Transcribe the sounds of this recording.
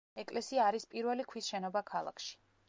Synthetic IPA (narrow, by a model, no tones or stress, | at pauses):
ɛkʼlɛsiaːɾispʼiɾvɛlikʰwisʃɛnɔbakʰalˠa̰kʰʃi̥